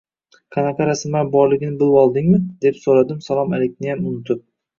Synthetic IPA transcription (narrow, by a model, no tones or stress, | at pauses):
qʰɑnaqʰɑɾasɪmaɾbɒɾlɪɡʲɪnɪbɪlˠɒlˠd̪ɪŋmɪd̪̥e̞psoɾad̪ɪmsalˠɒmalekʲnɪjamʊnɪt̪ʰʊp̚